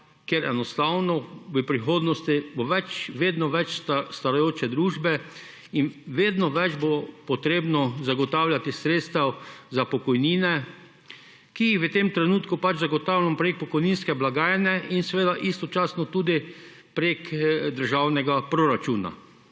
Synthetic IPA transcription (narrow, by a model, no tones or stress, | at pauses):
keɾɛnɔst̪aːwnɔʋəpɾixoːd̪nɔst̪iboʋɛt͡ʃʋeːd̪nɔʋɛt͡ʃst̪st̪aɾajoːt͡ʃɛd̪ɾuːʒbɛ | inʋeːd̪nɔʋɛd͡ʒbopɔt̪ɾeːbnɔzaɡɔt̪awlʲjat̪isɾet̪st̪awzapɔkɔjniːnɛ | kijixʋət̪emt̪ɾɛnuːt̪kupat͡ʃzaɡɔt̪aːwlʲampɾek̚pɔkɔjninskɛblaɡaːjɛnɛinsɛʋeːd̪aʔist̪ɔt͡ʃaːsnɔt̪uːd̪ipɾekd̪əɾʒaːwnɛɡapɾɔɾat͡ʃuːna̰